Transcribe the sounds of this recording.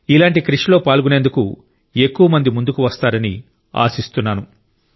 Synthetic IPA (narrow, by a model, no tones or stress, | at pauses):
ilaːɳʈikɾiʂlo̞ːpaːlɡune̞ːnd̪uku | e̞kːuʋɐmɐnd̪imund̪ukuʋɐst̪aːɾɐnḭ | a̰ːsist̪unːaːnu